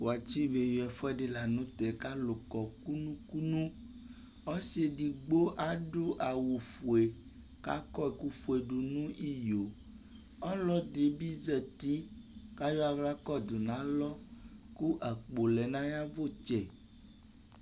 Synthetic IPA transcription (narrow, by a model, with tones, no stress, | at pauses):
wo˨a˨t͡ʃi˦be˨jo˨ɛ˨fɔ˦ɛ˦ɖe˨la˨nũ˦t̪ɛ˨˦ka˦lo˨kɔ˨ku˦nũ˦ku˦nũ˦ | ɔ˦si˦e˨ɖi˨ɡ͡bo˦ʔa˨ɖo˦ʔa˨wo˨fu˨e˨ | ka̰˦kɔ˦e˨ku˦fu˨e˨ɖu˨nũ˦ʔi˦jo˨ | ɔ˦lɔ˦de˨bi˦zɛ˨t̪i˦ | ka˦jo˦a˨vla˦kɔ˦d̪o˨nã˨˦lɔ˦ | ku˦ʔa˨k͡po˨lɛ˨nã˦ɲã˦vo˦t͡ʃɛ˨